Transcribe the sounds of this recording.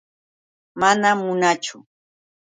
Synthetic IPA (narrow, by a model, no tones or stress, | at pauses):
manamʊnat͡ʃʊ